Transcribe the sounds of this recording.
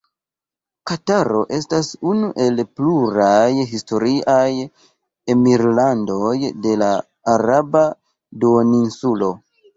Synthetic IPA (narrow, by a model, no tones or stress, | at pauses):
kataɾoʔe̞stasunuʔe̞lpluɾajɦisto̞ɾiʔaj | emiɾlando̞jde̞laː | ɾaba | duoninsulo̞